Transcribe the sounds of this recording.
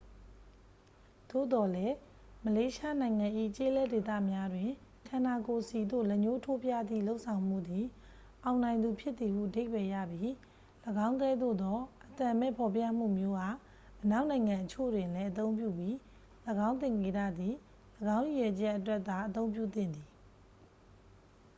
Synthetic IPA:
d̪̥o̰˦˨d̪ɔ˨lɛ˦ | məle˦ʃa˦nã˨ɪ̃ŋã˨ʔḭ˦˨t͡ɕe˦lɛ˦de˨t̪a̰˦˨mja˦dwɪ̃˨ | kʰã˨na˨ko˨si˨d̪o̰˦˨lɛ˦˨ɲo˦tʰo˦pja̰˦˨d̪ðḭ˦˨lo˦ʊʔsʰã˨ʊ̃m̥ṵ˦˨d̪i˨ | ʔã˨ʊ̃nã˨ɪ̃nd̪u˨pʰjɪ˦t̪ːi˨hṵ˦˨ʔəde˦ɪbɛ˨ja̰˦˨bji˦ | ləɡã˦ʊ̃ŋkɛ˦d̪o̰˦˨d̪ɔ˦ʔət̪ã˨mɛ̰˦˨pʰɔ˨pja̰˦˨m̥ṵ˦˨mjo˦ɡa˦˨ | ʔəna˦ʊʔnã˨ɪ̃ŋã˨ʔət͡ɕʰo̰˦˨dwɪ̃˨nlɛ˦ʔət̪õ˦ʊ̃mpjṵ˦˨pji˦ | ləɡã˦ʊ̃nt̪̬ɪ̃˨ŋe˨ɾa̰˦˨d̪ði˨ | ləɡã˦ʊ̃ju˨jɛ˨t͡ɕɛ˦ʔətwɛ˦ʔt̪ːa˨ʔət̪̬õ˦ʊ̃mpjṵ˦˨t̪ɪ̰̃˦˨nd̪i˨

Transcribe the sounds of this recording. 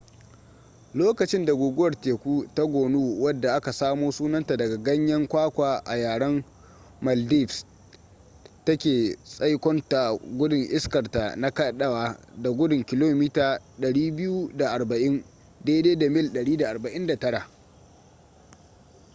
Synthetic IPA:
loː˦kɐ˨t͡ʃɪ˦nda˨ɡʷoː˨ɡʊ˦wɐ˨rteː˨kʷuː˦ta˦ɡʷoː˨nuː˦wɐ˦dːa˨ʔa˦ka˨saː˦moː˦suː˦nɐ˦nta˨dɐ˨ɡa˨ɡɐ˦ɲjɐ˦ŋkʷaː˦kʷaː˨ʔa˨jaː˨ɽɐ˦m | mɐ˨ldi˦˨fs | tɐ˦kʲeː˨sʼɐ˦jkʷɔ˦nta˨ɡʷʊ˦dʊ˨ŋʔɪ˦skɐ˨rta˨na˦kɐ˦ɗɐ˦waː˨da˨ɡʷʊ˦dʊ˨ŋkʲɪ˨loː˦miː˦taː˨ɗɐ˨ɽiː˦bɪ˦ju˦da˨ʔa˨rbɐ˨ʔɪ˦n | deː˦deː˦da˨mɪ˦lɗɐ˨ɽiː˦da˨ʔa˨rbɐ˨ʔɪ˦nda˨tɐ˦ɽa˨ʔ

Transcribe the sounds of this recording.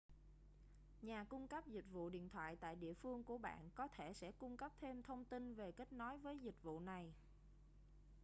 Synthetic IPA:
ɲaː˨˩kʊ˧ŋ͡mkə˦˥p̚zi˨˩k̟̚vṵ˧˨ɗḭ˧˨ənt̪ʰwa̰ː˧˨jt̪a̰ː˧˨jɗḭ˧˨əfɨ˧əŋku˧˩əɓa̰ː˧˨nkɔ˨˦t̪ʰe˧˩sɛ̰˧˥kʊ˧ŋ͡mkə˦˥p̚t̪ʰe˧mt̪ʰə˧wŋ͡mt̪i˧nve˨˩kə˦˥k̟̚nɔ˨˦jvəː˨˦jzï˨˩k̟̚vṵ˧˨na˨˩j

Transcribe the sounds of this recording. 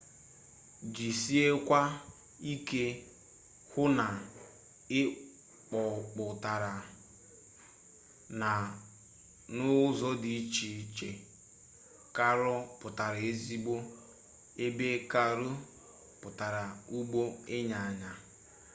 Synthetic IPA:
d͡ʒi˨si˦e˦kʷa˦ | i˦ke˦ | hʊ˦na˨ | ɪ˦ | k͡pɔ˨k͡pʊ˨ta˨ɾa˨ | na˨ | nʊ˦zɔ˦di˨˦t͡ʃi˨t͡ʃe˨ | ka˦ɾɔ˦pʊ˨ta˨ɾe˦zi˦ɡ͡bo˦ | e˦be˦ka˦ɾo˦ | pʊ˨ta˨ɾa˨u˦ɡ͡bo˦ɪ˦ɲa˨a˨ɲa˨

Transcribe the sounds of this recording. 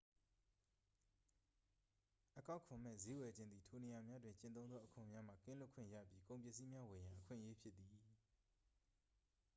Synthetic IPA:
ʔəka˦ʊkʰʊ̃˨mɛ̰˦˨ze˦wɛ˨d͡ʑɪ̃˦nd̪ði˨tʰo˨ne˨ja˨mja˦dwɪ̃˨ɲt͡ɕɪ̃˦nt̪õ˦ʊ̃nd̪ɔ˦ʔəkʰʊ̃˨mja˦m̥a̰˦˨kɪ̰̃˦˨lʊ˦ʔkʰwɪ̰̃˦˨jä̰˦˨pji˦kõ˨ʊ̃mpjɛ˦˨si˦mja˦we˨jã˨ʔəkʰwɪ̰̃˦˨ʔəje˦pʰjɪ˦t̪̚t̪ːi˨

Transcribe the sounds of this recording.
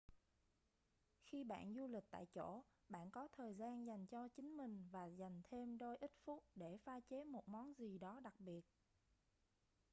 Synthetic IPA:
xi˧ɓa̰ː˧˨nzu˧lï˨˩k̚t̪a̰ː˧˨jt͡ɕo˧˩ɓa̰ː˧˨nkɔ˨˦t̪ʰəː˨˩jzaː˧nza˨˩jŋ̟t͡ɕɔ˧t͡ɕï˨˦ŋ̟mï˨˩ŋ̟vaː˨˩za˨˩jŋ̟t̪ʰe˧mɗo˧jʔi˦˥t̚fu˦˥t̚ɗe˧˩faː˧t͡ɕe˨˦mo˨˩t̚mɔ˨˦nzi˨˩ɗɔ˨˦ɗa˨˩k̚ɓi˨˩ət̚

